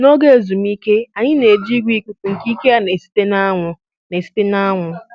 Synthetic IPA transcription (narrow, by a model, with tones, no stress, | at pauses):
no˦ɡe˦e˨zu˨m˦i˦ke˦a˨ɲɪ˦ne˨d͡ʒi˦ɡʷi˦ku˦pu˨ŋ̩˨ki˦ke˦a˦ne˨si̥˦te˦na˦ŋʷʊ˨ | ne˨si̥˦te˦na˦ŋʷʊ˨